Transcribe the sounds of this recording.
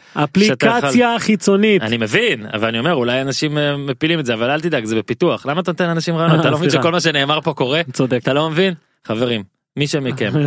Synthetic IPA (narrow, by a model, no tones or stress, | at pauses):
aplʃiatkaat͡sjaχit͡so̞nianimevina̰valanio̞me̞ʁulajanaʃimːepilimedzeavalalt̪id̪akzebepit̪uaχlamat̪anot̪enanaʃimʁajoatalomavinʃeko̞lmaʃ̬ene̞ːmaʁpo̞ko̞ʁet͡sod̪eat̪alomevin | χave̞ʁimː | iʃemikem